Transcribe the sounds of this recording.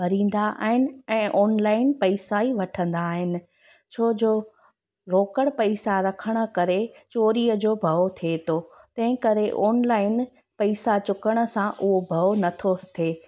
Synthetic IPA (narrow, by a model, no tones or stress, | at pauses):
bʱɐɾĩːn̆d̪aʔa̰ːɦɪnɪ̆ɛ̃ːʔɔːnlaːɪnpɐɪsaiʋɐʈʰə̃nd̪aːɦɪnɪ̆ | t͡ɕʰoːd͡ʑoː | loːkəɽ̃pɐɪsaɾɐkʰəɽ̃ə̆kɐɾet͡ɕoːɾiəd͡ʑoːbʱɐot̪ʰet̪ʰot̪ɐ̃ɦɪ̃kɐɾeʔɔːnlaːɪn | pɐɪsat͡ɕʊkəɽ̃ə̆sãʔʊɦobʱɐonɐt̪ʰot̪ʰeː